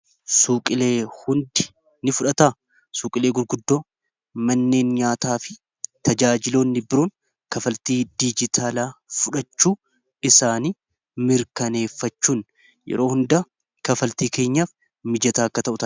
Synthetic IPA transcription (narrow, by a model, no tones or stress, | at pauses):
suːkʼɪle̞ːhʊnd̪ɪ̥ | nɪfʊᶑɐt̪aː | suːkʼɪle̞ːɡʊɾɡʊd̪ːo̞ː | mɐnːeːnɲaːt̪aːfɪ | t̪ɐd͡ʒaːd͡ʒɪloːnːɪbɪɾoːn | kɐfɐlt̪iːd̪id͡ʒɪt̪ʰaːlaːfʊᶑɐt͡ʃːuː | ɪsaːniː | mɪɾkɐne̞ːfːɐt͡ʃːuːn | jɛ̰ɾo̞ːhʊnd̪a | kɐfɐlt̪iːke̞ːɲːaːf | mɪd͡ʒɐt̪aːɐkːɐt̪ɐʔʊt̪ɐ